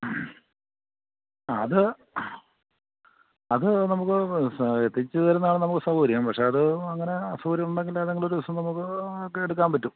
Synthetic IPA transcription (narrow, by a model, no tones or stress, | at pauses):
ɐðɨ | ɐðɨnɐmukːɨet̪ːit͡ɕːɨðɨðɐɾunːɐaːɳɨnɐmukːɨsɐhuːɾijɐmpɐkʂe̞ɐðɨɐŋːɐne̞ɐsɐuːɾjɐmuɳɖeŋɡileðeŋɡɐɭoɾuʋɐsɐmnɐmukːɨeɽuk̬ːaːnpɐtːum